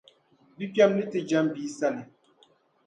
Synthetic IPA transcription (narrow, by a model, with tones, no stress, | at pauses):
bi˦pja˦mli˦te˨d͡ʒa˦mbi˨˦sa˦li˨